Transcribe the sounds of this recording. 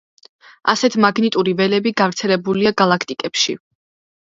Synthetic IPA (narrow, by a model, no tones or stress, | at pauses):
asɛt̪ʰmaɡnit̪ʼuɾivɛlɛbiɡavɾt̪sʰɛlɛbuliaɡalˠakʰt̪ʼikʼɛpʃḭ